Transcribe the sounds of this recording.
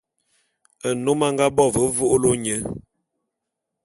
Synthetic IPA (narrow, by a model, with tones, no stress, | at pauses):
ə˨no˦ma˦ŋɡa˦bɔ˦˨və˨˦vo˦ʔo˦lo˦ɲə˦